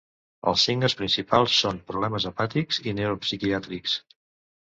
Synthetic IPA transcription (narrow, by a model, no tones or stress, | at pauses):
ə̰lˠsiŋɡəspɾinsipalˠsːompɾuβlɛməzəpat̪ikzinewɾopsikiat̪ɾiks